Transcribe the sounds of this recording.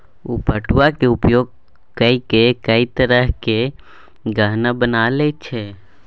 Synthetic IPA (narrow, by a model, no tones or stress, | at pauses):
upəʈwakeʊpjoːɡ̚ | kəikekəit̪əɾəɦke | ɡəɦnabənalet͡ʃʰɛ